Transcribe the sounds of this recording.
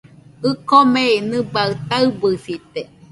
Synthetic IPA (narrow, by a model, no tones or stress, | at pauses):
ɨkomeinɨbaɨt̪aɨbɨsit̪e